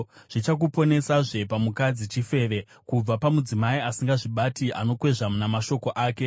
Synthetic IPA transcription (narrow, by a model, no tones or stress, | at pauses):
ʐ̥it͡ʃak̬upo̞ne̞saʐe̞pamukad͡zit͡ʃife̞ːʋe̞ | kub͡vapamud͡zimaiasiŋɡaʐiɓatiʔa̰no̞kwe̞ʐamunamaʃo̞ko̞ʔaːke̞